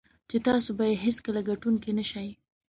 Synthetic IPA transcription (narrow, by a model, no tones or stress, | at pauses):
t͡ʃet̪ɑsobajeɦɪskəlaɡaʈuŋkinəʃaj